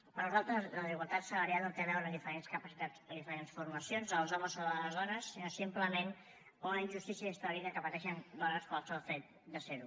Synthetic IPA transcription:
pəɾnuzalˠt̪ɾəzləziɣəlˠt̪at̪sələɾjaot̪eβɛwɾəðifəɾenskəpəsit̪ad͡zəðifəɾensfurməsionzəlˠzɔməzoðələzðɔnəsːinosimpləmen | oləiɲʲʒust̪isjəɛst̪əβiðəkəpət̪ɛʃənd̪ɔnəspalˠsɔfɛt̪̚ | d̪əseɾu

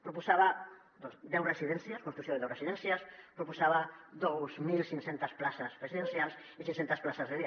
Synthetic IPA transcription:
pɾupusaβa | d̪osd̪ɛwresiðɛnsjaskunt̪ɾusjoðeɛwresiðɛnsjaspɾupusaβad̪owzmilsiŋsent̪asplasasrɾesiðensjalˠs | isiŋsent̪asplasazðeðia

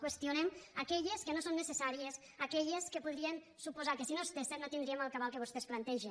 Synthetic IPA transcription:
kwest̪iunɛmakɛʎeskenosonːesesaɾies | akɛʎeskəpuðɾien | supuzakesinost̪esenot̪ind̪ɾieməlˠkaβalˠkəβust̪esplant̪ɛʒe

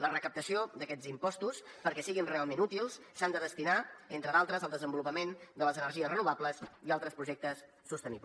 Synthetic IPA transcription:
lərəkəp̚t̪əsiod̪əkɛd͡zimpɔst̪uspəɾkɛsiɣinrealˠmenut̪ilˠssand̪əðəst̪inaent̪ɾəðalˠt̪ɾəzəlˠd̪əzəmbulupəmend̪ələzənəɾʒiəsrənuβ̞abləsialˠt̪ɾəspɾuʒɛk̚t̪əsːust̪ənḭp

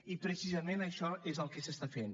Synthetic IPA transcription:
ipɾesizɐmẽnɐʃɔɛzawkesest̪afẽn

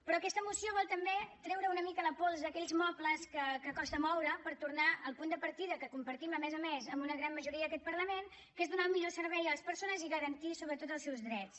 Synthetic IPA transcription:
pɾɔəkɛst̪əmusioβɔlˠt̪əmbet̪ɾɛwɾəunəmikələpolˠzðəkɛʎzmɔpləskəkəkɔst̪əmɔwɾəpəɾt̪urnaəlˠpund̪əpəɾt̪iðəkəkumpəɾt̪iməmɛzəmezəmbunəɣɾanməʒuɾiəðəkɛt̪̚pəɾləmen | kezðunalˠmiʎosəɾβɛjələspəɾsonəziɣəɾənt̪isoβɾət̪ot̪əlˠsɛwzðɾɛtt͡s

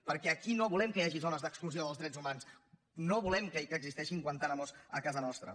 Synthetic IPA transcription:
pəɾkɛəkinoβulɛmkəjaʒizonəzðəkskluzioðəlˠzðɾɛd͡zumans | noβulɛmkəikəɡzist̪ɛʃiŋkwənt̪anəmozəkazənɔst̪ɾə̰

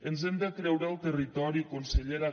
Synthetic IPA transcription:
ənzɛmd̪əkɾɛwɾəalˠt̪ərit̪ɔɾikunsəʎeɾa

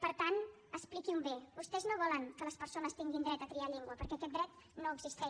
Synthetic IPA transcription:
pəɾt̪an | əsplikiumbebust̪ɛznoβɔləŋkələspəɾsonəst̪iŋɡind̪ɾɛt̪ət̪ɾiaʎɛŋɡwəpəɾkɛəkɛt̪̚d̪ɾɛt̪noəɡzist̪ɛ

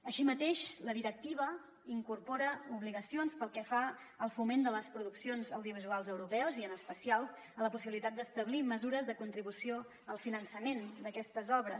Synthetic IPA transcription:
əʃimət̪eʃləðiɾək̚t̪iβ̞ə | iŋkurpɔɾəuβliɣəsionspəlˠkɛfa | əlˠfumend̪ələspɾuðuksionzəwðiuβ̞izualˠzəwɾupɛwəziənəspəsialˠ | ələpusiβilit̪at̪̚d̪əst̪əβliməzuɾəzðəkunt̪ɾiβusio | əlˠfinənsəmend̪əkɛst̪əzɔβɾəs

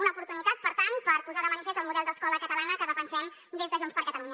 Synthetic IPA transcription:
unəupuɾt̪unit̪at̪̚pəɾt̪anpəɾpuzaðəmənifezt̪əlˠmuðɛlˠd̪əskɔləkət̪əlanəkəðəfənsɛm | d̪ezðəʒunspəɾkət̪əluɲə

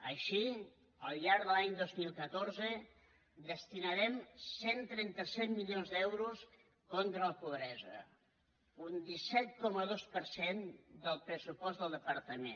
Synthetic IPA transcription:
əʃi | əlˠʎaɾðəlaɲd̪ozmilˠkət̪oɾzə | d̪əst̪inəɾɛmsent̪ɾɛnt̪əsɛt̪milionzd̪ɛwɾus | kɔnt̪ɾələpuβɾɛzə̰ | und̪isɛt̪̚kɔməðospəɾsend̪əlˠpɾəsupɔzd̪əlˠd̪əpəɾt̪əmḛn

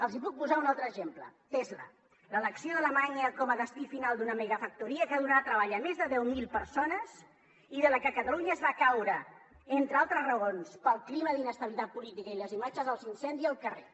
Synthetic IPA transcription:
əlˠzipuk̚puzaunalˠt̪ɾəʒemplə̰t̪ezlə̰ | lələksioðələmaɲeəkɔməðəst̪ifinalˠd̪unəmeɣəfək̚t̪uɾiəkəðunat̪ɾəβaʎəmezðəðɛwmilˠpəɾsonəz | iðələkəkət̪əluɲəəzβakawɾə | ent̪ɾəalˠt̪ɾəzrəɣonspəlˠkliməðinəst̪əβilit̪at̪̚pulit̪ikəiləzimad͡ʒəzəlˠzinsɛnd̪iəlˠkərḛ

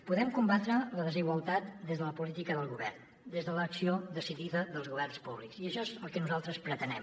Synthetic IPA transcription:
puðɛmkumbat̪ɾələðəziɣwəlˠt̪at̪̚d̪ezðələpulit̪ikəðəlˠɣuβɛrn | d̪ezðələksiod̪əsiðiðəðəlˠzɣuβɛrnspuβliksiəʃɔezəlˠkənuzalˠt̪ɾəspɾət̪ənɛm

